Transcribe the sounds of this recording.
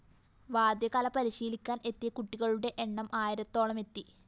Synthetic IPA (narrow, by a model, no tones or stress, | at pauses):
ʋaːd̪jɐkɐlɐpɐɾiɕiːlikʲːaːne̞t̪ːijɐkuʈːiɣɐɭuɽe̞ʔeɳːɐmʔaːjɐɾɐt̪ːo̞ːɭɐme̞t̪ːi